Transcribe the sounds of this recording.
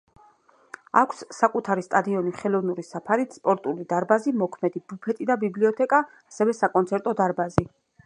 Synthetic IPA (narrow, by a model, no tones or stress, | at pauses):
a̰kʷʰsːakʼut̪ʰaɾist̪ʼad̪iɔniχɛlˠɔvnuɾisapʰaɾit̪spʼɔɾt̪ʼulid̪aɾbazimɔkʰmɛd̪ibupʰɛt̪ʼid̪abibliɔt̪ʰɛkʼaːsɛvɛsakʼɔnt̪sʰɛɾt̪ʼɔd̪aɾbazi